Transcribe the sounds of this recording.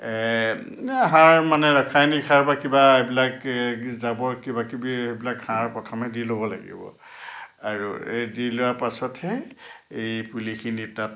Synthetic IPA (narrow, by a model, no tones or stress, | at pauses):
ɛ | aɦãɹmanɛɹakʰajnikʰaɹbakibaebilakzabɔɹkibakibiebilakʰːãɹpɹɔtʰɔmɛdilobɔla̰ɡḭbɔ̰ | aɹṵedilʊapasɔthɛejpulikʰinita